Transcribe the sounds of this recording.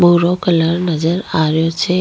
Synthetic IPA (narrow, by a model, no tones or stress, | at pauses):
bʱuɾokələɾnəd͡ʒəɾaɾjot͡ʃʰe